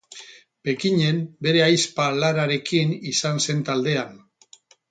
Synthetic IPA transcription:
pe̞kiɲe̞mbe̞ɾe̞ajspalaɾaɾe̞kinisanse̞nt̪ald̪e̞an

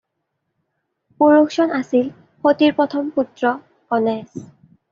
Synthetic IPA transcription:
poɹuxsɔnasil | xotiɹpɹɔtʰɔmputɹɔ | ɔnɛs

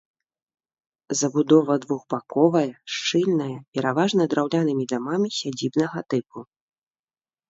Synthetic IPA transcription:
zɐbud̪ɔvɐd̪vuɣbakɔvɐjɐʂt͡ʂɨlʲnɐjɐpʲɛɾavaʐnɐd̪ɾawlʲanɨmʲid̪amamʲisʲad͡zʲibnɐɣɐt̪ɨpu

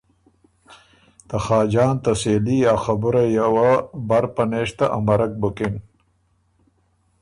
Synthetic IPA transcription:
t̪ɐxɑːd͡ʒɑːnt̪ɐseːlijaːxɐbuɾajawabɐɾpɐneːʂt̪aʔamɐɾɐk̚bukin

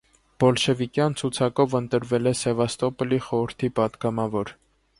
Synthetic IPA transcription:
b̥ɔlʃɛvikjɑnt͡sʰut͡sʰɑkɔvənt̪əɾvɛlɛsɛvɑst̪ɔpəliχɔɾəɾt̪ʰipɑd̪ɡɑmɑvɔɾ

